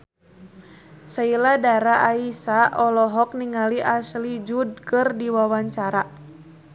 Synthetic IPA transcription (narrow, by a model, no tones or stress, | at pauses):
sailadaɾaʔaisaʔɔlɔɦɔk̚niŋaliʔaslid͡ʒud̚kɨrdiwawaɲt͡ʃaɾa